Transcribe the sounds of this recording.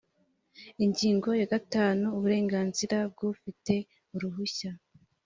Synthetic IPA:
iɲɟiːŋɡo̞jaɡataːnuːβuɾe̞ːŋɡaːnziɾab̚ɡufite̞ | uɾuɦuça

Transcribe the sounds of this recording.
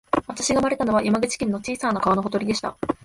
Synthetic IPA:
βat̪aɕiɡamaɾe̞t̪anoβajʔamaɡɯ̟t͡ɕi̥kʲẽnːot͡ɕiːsanakaβanoɦo̞t̪o̞ɾʲid̪e̞ɕi̥t̪a̰

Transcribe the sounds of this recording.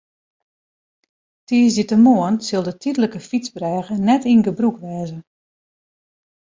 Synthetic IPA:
tiːzitəmoənsɪlˠdətʰidələkəfit͡sbrɛːɣənɛtinɡəbrukʋɛːzə

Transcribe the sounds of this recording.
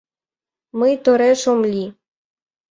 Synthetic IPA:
mɨjt̪oɾeʃomlʲi

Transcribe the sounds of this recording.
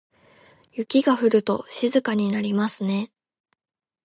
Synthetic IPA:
jɯkʲiɡaɸɯ̟ɾɯ̟t̪o̞̰ɕizɨkaɲ̟inaɾʲimasɨne̞

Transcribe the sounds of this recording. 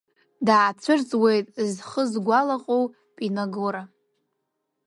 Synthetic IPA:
daːt͡sʷʰɨrt͡sʼwe̞jtʼzχəzɡʷalaqʼow | pʼinaɡoɾa

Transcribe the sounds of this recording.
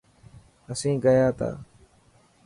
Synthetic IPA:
əsĩːɡəjaːt̪a̰ː

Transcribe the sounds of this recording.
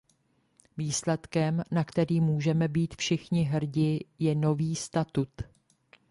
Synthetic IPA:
viːslɛt̪kɛmnakt̪ɛɾiːmːuːʒɛmɛbiːt̪fʃɪxɲɪɦr̩ɟɪjɛno̞viːst̪at̪ut̪

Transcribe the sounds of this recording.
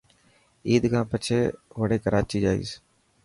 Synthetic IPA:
iːd̪kãːpət͡ʃʰeːʋəɽeːkəɾaːt͡ʃiːd͡ʒaːḭːs

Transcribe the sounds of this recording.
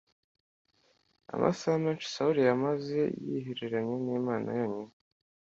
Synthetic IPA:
a̰mʔa̰saameːnt͡ʃu̥sauɾijamaze̞jḭɦiɾiɾaɲeniːmaːna̰joɲin

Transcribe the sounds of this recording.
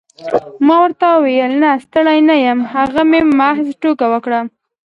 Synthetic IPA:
mɑwəɾt̪awejəlnast̪əɽajnajəmhaɣamemaɦzʈokawəkɽa

